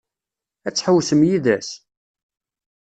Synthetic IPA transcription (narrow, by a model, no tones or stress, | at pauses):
æt͡sːħəwsəmjiðæs